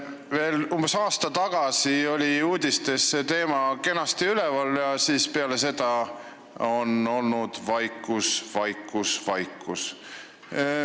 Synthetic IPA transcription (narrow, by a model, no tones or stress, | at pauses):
ve̞ːlumb̥e̞sɑːst̪ɑt̪ɑɡ̥ɑsio̞lʲiuːd̪̥ʲist̪e̞sːe̞t̪e̞ːmɑke̞nɑst̪iylɛvɑljɑsiːspeɑle̞se̞d̪̥ɑ | o̞no̞lnud̪̥vɑjkːˑusvɑjkːˑusvɑjkːˑus